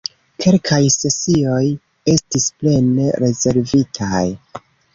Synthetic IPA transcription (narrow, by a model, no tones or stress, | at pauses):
kʰe̞lkʰajse̞sio̞j | e̞stisple̞ne̞ɾe̞ze̞ɾvitʰaj